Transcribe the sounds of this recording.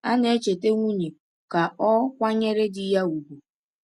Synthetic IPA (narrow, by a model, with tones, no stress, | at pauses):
a˦ne˦t͡ʃe˨te˦ŋʷu˦ɲi˨ | ka˨ʔɔ˦kʷa˦ɲe˦ɾe˦dɪ˦ja˦u˨bu˨